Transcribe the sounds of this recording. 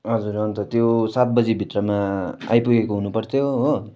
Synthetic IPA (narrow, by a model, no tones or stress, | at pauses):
ɦʌd͡zuɾʌnt̪ʌt̪josat̪̚bʌd͡zibʱit̪rʌmaa̰jpuɡekoɦunupʌrt̪ʰjoɦo